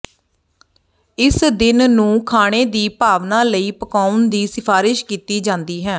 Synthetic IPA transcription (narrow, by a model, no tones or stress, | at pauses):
ɪsd̪ɪnnũːkʰaːɽ̃eːd̪iːpaːʋnãːləiːpəkaːʊɳd̪iːsɪpʰaːɾɪʃkiːt̪iːd͡ʒãːnd̪iːɦɛ̃ː